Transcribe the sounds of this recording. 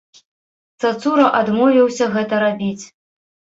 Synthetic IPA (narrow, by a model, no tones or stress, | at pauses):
t̪sat̪suɾɐʔad̪mɔvʲiwsʲɐɣɛt̪ɐɾabʲit͡sʲ